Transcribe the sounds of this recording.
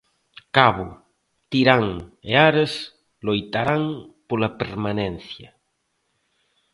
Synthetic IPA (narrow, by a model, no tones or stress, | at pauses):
kaβʊ | t̪iɾaŋeaɾes | lojt̪aɾaŋpolapeɾmanen̟θjɐ